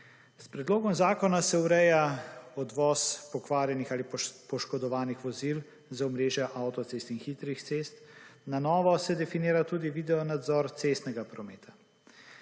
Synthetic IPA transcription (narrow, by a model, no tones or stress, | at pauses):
spɾɛd̪loːɡɔmzaːkɔnasɛuɾɛjaɔd̪ʋɔːspɔkʋaːɾjɛnixaːlipɔʃkɔd̪ɔʋaːnixʋɔzil | zaɔmɾeːʒjɛʔawt̪ɔt̪sest̪inxiːt̪ɾixt̪sest̪nanɔːʋɔsɛd̪ɛfiniːɾat̪uːd̪iʋid̪ɛɔnad̪zɔɾt̪sest̪nɛɡapɾɔmeːt̪ʰa